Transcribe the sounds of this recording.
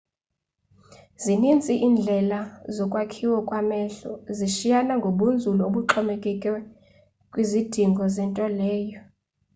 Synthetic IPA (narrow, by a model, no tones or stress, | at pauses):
zinint͡sʼiʔiːnd͡ɮʱɛlazɔkʼwakʰiwɔkʼwamɛɬɔziʃijanaŋɡʱoɓund͡zʱulɔoɓuǁʰɔmɛkʼɛkʼɛ | kʼwizid̥ʱiŋɡʱɔzɛntʼɔlɛːjɔ